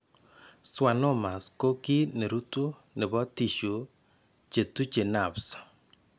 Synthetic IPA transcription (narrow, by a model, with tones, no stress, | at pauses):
swa˨nɔ˦ma˨sko˦ki˦ne˨ɾu˦tu˦ | nɛ˨bɔ˦ti˨ʃu˨ | t͡ʃe˨tu˦t͡ʃe˨na˨ps